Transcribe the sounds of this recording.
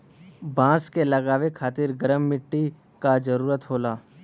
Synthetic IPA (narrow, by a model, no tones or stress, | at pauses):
bãːskelɐɡaːʋekʰaːt̪ɪɾɡəɾəmːɪʈːi | kad͡ʒəɾuːɾət̪ɦoːlaː